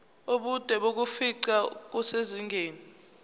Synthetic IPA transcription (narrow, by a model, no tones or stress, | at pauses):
oɓud̥ʱɛɓok̬ufiǀak̬useziŋʱeːni